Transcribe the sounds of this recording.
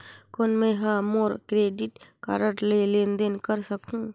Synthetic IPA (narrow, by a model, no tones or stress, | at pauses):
kʊnmẽɦãmoːɾkɾeːɖɪʈka̰ɾəʈlelẽːnd̪enkəɾsəkũː